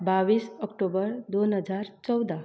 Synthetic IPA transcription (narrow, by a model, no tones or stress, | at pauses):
baʋisəkʈobəɾd̪onɦəd͡zaɾt͡sɔwd̪a